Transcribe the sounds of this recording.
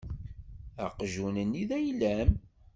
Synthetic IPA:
æ̰qʒunəniðæjlæm

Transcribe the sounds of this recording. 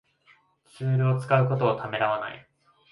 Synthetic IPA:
t͡sɨːɾɯ̟o̞t͡sɨ̥kaɯ̟ko̞t̪o̞ːt̪ʰame̞ɾaβ̞ana̰ḭ

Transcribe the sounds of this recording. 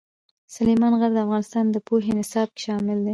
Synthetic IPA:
salemɑnɣaɾd̪əafɣɑnɪst̪ɑnd̪əpoɦenɪsɑb̚ke̥ʃɑmɪld̪e

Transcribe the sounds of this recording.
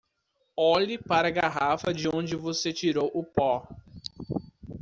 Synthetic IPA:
ɔʎɪpaɾɐɡaɦafɐd͡ʒɪõnd͡ʒɪvoset͡ʃiɾowʔʊpɔ

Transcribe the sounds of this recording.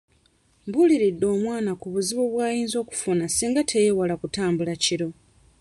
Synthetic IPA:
mbuliɾidːo̞ːmwaːnakuβuziβoβwaːjiːnzo̞ːku̥funasiːŋɡatʰe̞jewalakutaːmbulaciɾo̞

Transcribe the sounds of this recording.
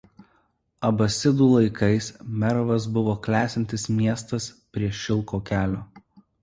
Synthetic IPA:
ɐbɐsʲɪd̪uːlˠɐɪkɐɪsmʲɛɾɔʋɐs̬bʊʋoːklʲæːsʲɪnʲt̪ʲɪsmʲiɛst̪ɐspʲɾʲiɛʃʲɪlˠˑkoːkʲæːlʲoː

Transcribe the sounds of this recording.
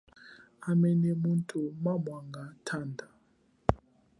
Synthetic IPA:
amɛnɛmuntʼumamwaŋɡatʰandʱa

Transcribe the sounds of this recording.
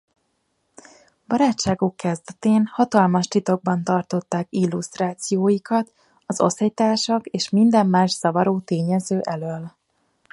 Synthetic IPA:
bɒɾaːt͡ʃʃːaːɡukːɛzd̪ɛt̪eːnhɒt̪ɒlmɒʃt̪it̪o̞ɡ̚bɒnt̪ɒrt̪o̞t̪ːaːkilːust̪raːt̪sijoːjikɒt̪ | ɒzo̞̰shɛjt̪aːʃɒkeːʃmind̪ɛmːaːʃsɒvɒɾoːt̪eːɲɛzøːʔɛløl

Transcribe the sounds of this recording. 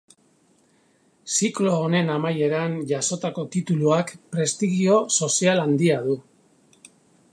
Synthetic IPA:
siklo̞ːne̞namaje̞ɾanʝaso̞t̪ako̞t̪it̪uluakpɾe̞st̪iɣio̞so̞sialand̪iaðu

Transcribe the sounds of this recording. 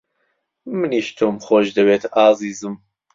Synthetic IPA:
mɨniːʃt̪ʰoːmxoːʃd̪ɨbeːt̪aːziːzɨm

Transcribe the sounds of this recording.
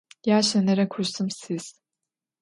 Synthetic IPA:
jaːʃɛneɾɛkʰuɾsɯmsiz̥

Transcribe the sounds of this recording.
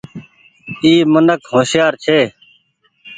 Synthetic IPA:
iːmənəkhõːsjaːɾt͡ʃʰeː

